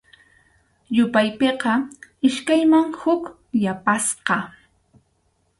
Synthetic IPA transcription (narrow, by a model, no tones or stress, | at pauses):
jʊpajpeqɑɪʃkajmaŋhʊk | japasqɑ